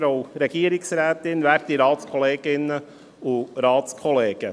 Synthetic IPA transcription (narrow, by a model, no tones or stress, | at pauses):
ɾoɾɛɡiːəɾɪksɾæːt̪ɪnʋæːɾtiɾɑːtskʰɔleːɡɪnə | ʊɾɑːtskʰɔleːɡ̥ə